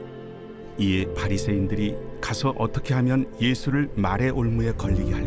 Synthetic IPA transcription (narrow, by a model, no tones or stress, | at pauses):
iepʰaɾisʰe̞indɯɾikasʰʌʔʌt͈ʌkʰe̞ɦamjʌnje̞sʰuɾɯɭmaɾe̞ʔoɭmuɦe̞kʌʎːiɡeɦa